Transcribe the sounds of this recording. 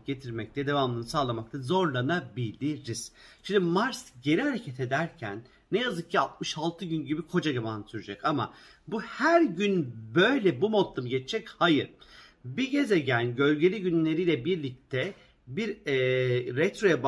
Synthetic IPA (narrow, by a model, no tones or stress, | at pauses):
ɟ̥e̞t̪ʰiɾmɛc̚t̪ʰɛd̪e̞vamˠɯnɯsaːlˠamak̚t̪ʰazo̞ɾlˠanabilʲiɾiz̥ʃimd̪imaɾsɟe̞ɾihaɾe̞cʰet̪ʰe̞d̪æɾcʰæ̰nː | ɛjazɯk̚cʰiat̪̚mɯʃalˠt̪ʰɯɟynɟibikʰo̞d͡ʒaɡamaːnɯsyɾyd͡ʒɛcama̰ | buhæɾɟynbøjlʲɛbumo̞t̪lˠɯmɟɛt͡ʃt͡ʃʰːɛchajɯɾ | biɟe̞zɛɟænɟø̞lʲɟe̞lʲiɟynlʲe̞ɾiːlʲɛbiɾlʲic̚t̪ʰɛ | biɾɛːɛt̪ɾo̞jab